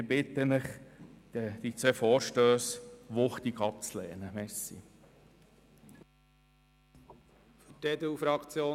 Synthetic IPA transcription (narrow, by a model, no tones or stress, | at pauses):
ɪbɪt̪ənəχəd̥̪it͡sʋɛfɔːɾʃtøːsʋʊχt̪iɡɑp̚t͡slɛ̰ːnəmɛsḭ | ftɛd̪ufɾɑkt͡sjoː